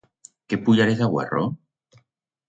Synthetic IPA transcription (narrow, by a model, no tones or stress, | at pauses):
kepuʎaɾesaɣwḛro̰